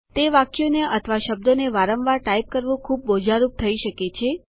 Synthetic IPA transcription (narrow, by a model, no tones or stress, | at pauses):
t̪eʋakjoneʔət̪ʰəʋaʃəb̚d̪oneʋaɾəmʋaɾʈaip̚kəɾʋũkʰub̚ːod͡ʒʱaɾup̚t̪ʰəiʃəket͡ʃʰe